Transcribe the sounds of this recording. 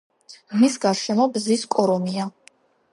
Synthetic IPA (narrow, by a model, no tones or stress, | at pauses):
misɡaɾʃɛmɔbziskʼɔɾɔmia